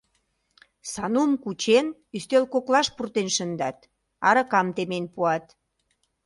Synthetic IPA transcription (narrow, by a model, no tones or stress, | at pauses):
sɑnumkut͡ɕen | yst̪elkoklɑʃpurt̪enʃənd̪ɑt̪ | ɑɾə̆kɑmt̪emenpuɑt̪